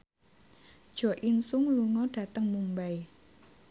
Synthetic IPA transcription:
d̥ʒ̥ɔ̤ʔinsʊŋluŋɔɖ̥ä̤t̪əŋmumbaj

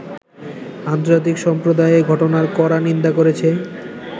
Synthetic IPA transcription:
ant̪oɾd͡ʑat̪̬ikʃɔmpɾod̪aeeɡʱɔʈonaɾkɔɾanind̪akoɾet͡ɕʰe

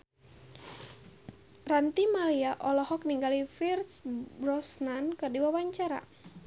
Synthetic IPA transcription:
rant̪imaliaʔɔlɔɦɔk̚niŋɡalifirsbrɔsnankɨrdiwawaɲt͡ʃaɾa̰

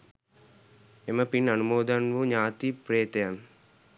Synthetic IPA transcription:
eməpinɐnumoːd̪anʋuɲaːt̪ipɾeːt̪ɐjan

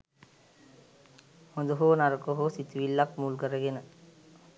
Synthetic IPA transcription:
hond̪uɦonaɾɐkoɦosit̪ʋilːakmuːlɡɐɾɐɡenə

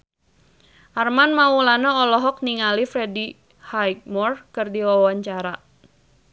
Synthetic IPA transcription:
ʔarmanmaulanaɔlɔɦɔk̚niŋalifɾɛdi | hajk̚mɔrkɨrdiwawaɲt͡ʃaɾa

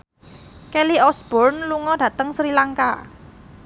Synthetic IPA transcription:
kɛliɔsb̥ɔrnluŋɔdɖ̥ä̤t̪əŋsɾilaŋka

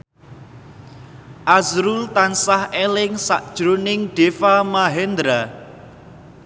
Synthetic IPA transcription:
ʔazɾult̪ansahelɪŋsa̰ʔd̥ʒ̥ɾonɪŋɖ̥efamaɦɛnd̪ɾa

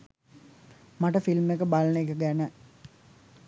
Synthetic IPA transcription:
maʈəfilmekəbalənəekəɡænə

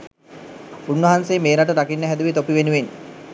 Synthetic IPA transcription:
unʋɐɦansejːmeːɾaʈəɾakinːəɦæd̪uʋit̪opiʋenuʋen

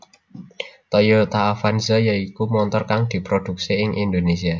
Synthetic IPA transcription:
t̪ɔjot̪aːfanzəjəikumɔnt̪ɔrkaŋd̪̥i̤pɾod̪̥ṳk̚seɪŋʔind̪onesia

